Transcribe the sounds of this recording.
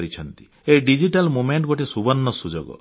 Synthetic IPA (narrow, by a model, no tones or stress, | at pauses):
ɾit͡ʃʰɔnt̪i̥ | eɖid͡ʒiʈalmumeɳʈɡoʈisubɔnːɔsud͡ʒoɡɔ̰